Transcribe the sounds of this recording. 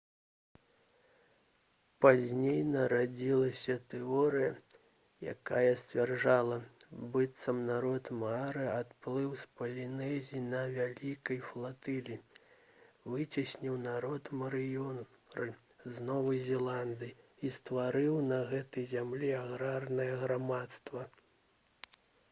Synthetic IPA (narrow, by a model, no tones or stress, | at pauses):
pazʲnʲejnɐɾad͡zʲilˠɐsʲɐt̪ɛɔɾɨjɐ | ja̰kajɐsʲt͡sʲvʲarʐalˠɐbɨt̪sɐmnaɾɔt̪maɾɨat̪plˠɨwspɐlʲinɛzʲinɐvʲalʲikɐjflˠat̪ɨlʲi | vɨt͡sʲisʲnʲiwnaɾɔt̪mɐɾɨjɔ | ɾɨ | znɔvɐjzʲɛlˠand̪ɨjist̪vaɾɨwnɐɣɛt̪ɐjzʲamlʲiaɣɾarnɐjɐɣɾamat̪st̪vɐ